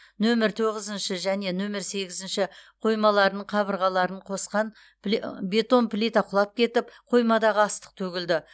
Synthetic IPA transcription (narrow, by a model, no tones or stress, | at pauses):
nɵmɪɾt̪ʰo̞ʁəzənʃɪʒæne̞nɵmɪɾse̞ɡʲɪzɪnʃɪqʰo̞jmɑlˠɑɾnəɴqʰɑβəɾʁɑlˠɑɾəɴqʰo̞sqɑn | be̞t̪o̞npʰlʲit̪ɑqʰʊlˠɑp̚kʲʰe̞t̪ɪpqʰo̞jmɑd̪ɑʁəɑst̪ə̥q̚t̪ʰɵɡʲɪld̪ɪ